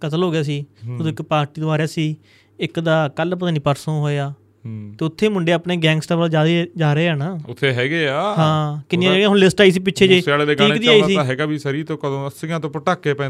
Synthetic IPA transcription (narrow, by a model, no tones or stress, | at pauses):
kət̪əlɦoːɡɪjaːs̬iːd͡ʒəd̪õːɪkpaːɾʈiːd̪oaːɾaːsiː | ɪkd̪aːkəlpət̪aːniːpəɾsõːɦoːejaː | t̪eːʊt̪ʰːeːmʊɳɖeːaːpneːɡɛ̃ːŋɡsʈɛːbəlːd͡ʒaːd̪ed͡ʒaːɾəeːaːnaːʊt̪ʰːeːɦɛːɡeːaːɦãːkɪnɪãːd͡ʒaːɡãːʊnlɪsʈaːiːs̬iːp̬ɪʃʰeːd͡ʒeːseaːleːd̪eːɡiːkd̪iːaiːsiːãɦɛːɡaːbʱiːsəɾiːt̪õːkəd̪õːəsɪjãːt̪õːpəʈaːkːeːpɛ̃ː